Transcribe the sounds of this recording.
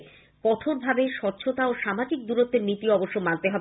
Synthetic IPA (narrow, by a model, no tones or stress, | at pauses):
kɔʈʰoɾbʱabeʃɔtːɕʰot̪aoʃamad͡ʑik̚d̪uɾot̪ːeɾnit̪iɔboʃːomant̪eɦɔb